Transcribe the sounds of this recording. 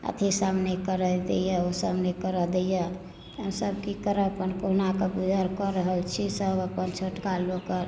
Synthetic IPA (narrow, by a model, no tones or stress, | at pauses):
ə̰t̪ʰisamnekəɾəd̪ḛjəosamnekəɾəd̪ejə | ɦəmsəbkikəɾəpənkoɦnakəbud͡ʒʱaɾkəɾəɦəlt͡ʃʰisəbəpənt͡ʃʰoʈkalokəɾ